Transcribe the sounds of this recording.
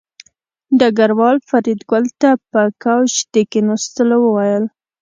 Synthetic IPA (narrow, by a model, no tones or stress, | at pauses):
ɖɑɡaɾwɑlfaɾid̪ɡʊlt̪apəkawʃd̪̥ekenost̪əlowəwajəl